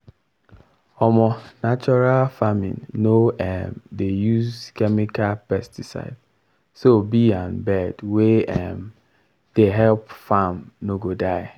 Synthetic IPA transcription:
ɔmɔnat͡ʃɔɾalfamḭ̃nːoɛmdejuzkɛmikalpɛstisa̰ɪd̥ | sobiãnbɛdweɛm | d̥eɦɛlpfamnoɡodaɪ

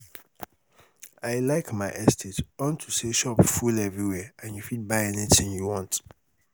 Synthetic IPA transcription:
aɪlaɪkmaɪʔɛstʰetɔntʰuseʃɔpfulɛvɹiwɛãnjufit̚baɪɛnitɪ̃ŋjuwɔ̃nt

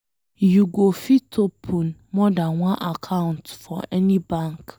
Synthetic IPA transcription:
juɡofitʰopʰũnmɔdãnwãnʔakʰãntfɔʔɛnĩbãŋk

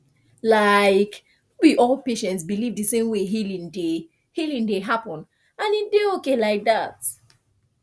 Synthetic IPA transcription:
laɪk | biʔɔlˠpeʃɛ̃ntsbilivðəsẽmweɦilĩŋde | hilĩŋdeɦapɔ̃n | ãnideokelaɪk̚ðat

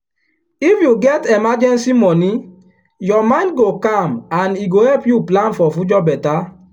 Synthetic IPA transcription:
ifjuɡɛtemad͡ʒɛ̃nsimɔni | jɔmãɪ̃ndɡokãmãniɡohɛlpjuplãnfɔfud͡ʒɔbɛta

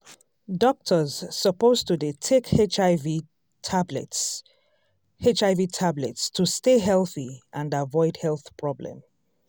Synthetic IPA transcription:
dɔk̚tʰəz̥səpoztudetʰekhet͡ʃvi | bɛ̰t | het͡ʃaɪvitʰablɛ̰tstʰusteɦɛlˠθiʔə̃navɔɪdhɛlˠθpʰɹ̥ɔblə̰̃m

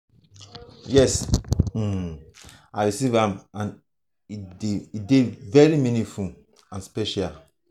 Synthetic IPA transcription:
jɛs̩ | aɪɹisivãmãn | ideidevɛɹimĩnĩfu | ãnspɛʃal

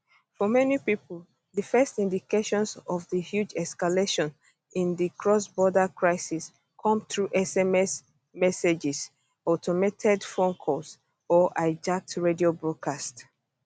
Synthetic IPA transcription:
fɔmɛnipipl | ðəfɛstĩndikeʃɔ̃nsɔvðihjud͡ʒɛskaleʃɔ̃n | ĩnðikʰɹɔsbɔdəkʰɹaɪsis | kʰɔ̃mθɹuʔɛsɛmɛs | mɛsed͡ʒɛs | ɔtʰɔmetʰɛdfõnkʰɔs | ɔʔaɪd͡ʒak̚tɹediobɹɔd̚kʰast

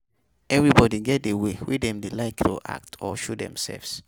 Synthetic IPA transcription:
ʔɛvɹibɔdiɡɛt̚dewewḭdɛ̃mdelaɪkto̰ʔa̰k̚tʰɔʃodɛ̰̃msɛ̰lvs

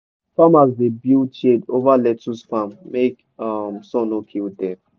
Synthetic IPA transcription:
fãmazdebilt͡ʃedovalɛtusfãmːek | amsɔ̃nokʰildɛf

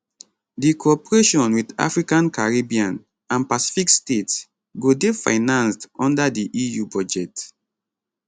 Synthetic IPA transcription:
dikoɔpɹeʃɔ̃nwida̰fɹikãnkaɹibiãn | ãnpasi̥fikstets | ɡodefa̰ɪnãnstɔ̃ndadiʔijubɔd͡ʒɛt

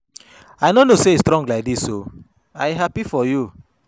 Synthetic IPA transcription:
ajnonoseistɾɔ̃ŋɡlaɪk̚diso | ajɦapifɔju

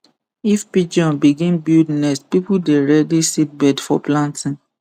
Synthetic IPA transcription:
ifpid͡ʒɔ̃nbiɡĩnbildnɛspipudeɹɛdisit̚bɛdfɔplãntĩn

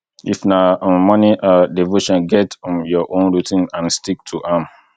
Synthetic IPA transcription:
ifnamɔniʔadevoʃɔ̃nɡɛtjɔʔõnɹitĩnãnstik̚tʰuʔam

